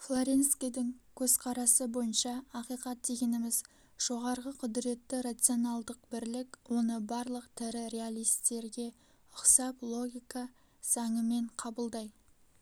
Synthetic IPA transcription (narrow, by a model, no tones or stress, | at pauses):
flˠoɾʲe̞nskʲijd̪ɪŋkʲʰɵz̥qʰɑɾɑsəbo̞jənʃɑːqijqɑt̪̚d̪e̞ɡʲe̞nɪmɪz | ʒ̥o̞ʁɑɾʁəqʰʊd̪ɾe̞t̪ːɪɾat̪sɨo̞nɑlˠd̪əq̚bɪɾlɪkwo̞nəbɑɾlˠəqt̪ʰɪɾɪɾʲe̞alʲˠijst̪e̞ɾɡʲe̞ | ʊqsɑplˠo̞ɡʲijkɑ | z̥ɑɴəme̞ɴqʰɑbəlˠd̪ɑj